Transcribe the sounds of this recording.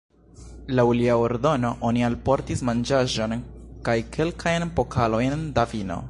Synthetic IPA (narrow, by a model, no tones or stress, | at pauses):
lauliaoɾdo̞no̞ʔo̞nialpo̞ɾtismand͡ʒaʒo̞nkajkʰe̞lkʰajnpo̞kʰalo̞jndavino̞̰